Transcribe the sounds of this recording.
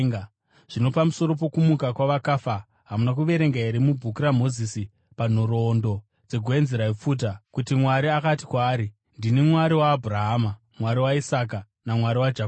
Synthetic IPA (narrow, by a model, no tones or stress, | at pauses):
ʐ̥ino̞pamuso̞ɾo̞p̬o̞kumukakwaʋakaːfa | ɦamunakuʋe̞ɾe̞ŋɡaeɾimubʱukuɾamo̞ziːsi | pan̤oɾo̞ndo̞ | d͡ze̞ɡʱoenzeɾaip͡fuːt̬akutimwaɾiakati̥kwaːɾi | ndinimwaɾiwaːbʱuɾaɦaːma | mwaɾiwaisaːka | namwaɾiwad͡ʒak